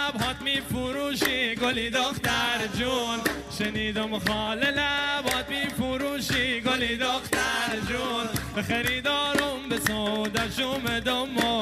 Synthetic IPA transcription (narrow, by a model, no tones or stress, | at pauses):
bɦɔːt̪miːfuɾuʃiɡolid̪oxt̪æɾd͡ʒun | ʃeniːd̪omχɔːlelæbhɔːt̪miːfuɾuːʃiɡolid̪oxt̪æɾd͡ʒunbexeɾiːd̪ɒːɾombesod̪æʃumed̪omo